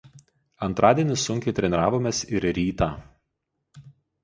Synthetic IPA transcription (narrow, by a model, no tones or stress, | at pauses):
ɐnt̪ɾʔɑːd̪ʲiɛnʲɪsːʊŋʲkʲɛɪt̪ʲɾʲɛnʲɾɑːʋoːmʲeːsɪɾɾʲiːt̪ɑː